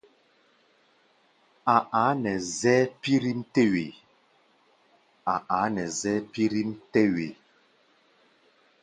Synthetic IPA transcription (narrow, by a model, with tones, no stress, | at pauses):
a˨ʔa˨˦nɛ˨zɛ˦pi˦ɾi˦m̩˦te˦we˨ | a˨ʔa˨˦nɛ˨zɛ˦pi˦ɾi˦m˦tɛ˦we˨